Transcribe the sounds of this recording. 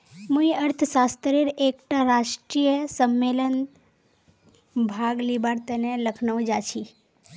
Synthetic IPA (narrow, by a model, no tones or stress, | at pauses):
muiəɾt̪ʰəsast̪ɾeɾekʈaɾaʃʈɾijəsəmːelən | bʱaɡlibaɾt̪əneləkʰnəʋd͡ʒat͡ʃʰi